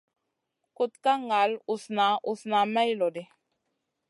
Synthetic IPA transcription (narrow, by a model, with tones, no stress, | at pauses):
ko˦t̪ka˦ŋa˨˦lu˨sna˨˦ʔu˨sna˨ma˦jlɔ˨de˦